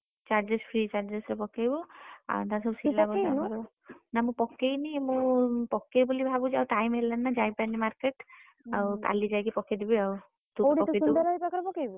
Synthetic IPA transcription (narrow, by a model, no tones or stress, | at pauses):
t͡ʃaɾd͡ʒespʰɾit͡ʃaɾd͡ʒesɾɔpɔkejbua̰t̪asɔbsilabɔaɾ | namũpɔkːejnimũpɔkːejbulibʱabud͡ʒawʈajmɦelːanːad͡ʒajpanimaɾkeʈ | awt̪a̰lid͡ʒajkipɔked̪ibiaw | t̪upɔeuɾajpakɾpɔkejbu